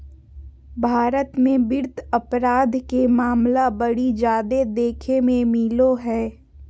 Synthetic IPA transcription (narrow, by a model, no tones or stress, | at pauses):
bʱaːɾət̪mẽbɪɾt̪ɐpɾaːd̪ʱkemaːmlabəɽid͡ʒaːd̪ed̪eːkʰemẽmɪloɦɛː